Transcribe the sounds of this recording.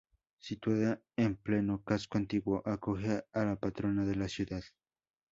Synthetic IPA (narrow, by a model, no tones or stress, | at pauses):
sit̪waða | emplenokaskoant̪iɣwoʔakoxealapat̪ɾonaðelasjuðað̥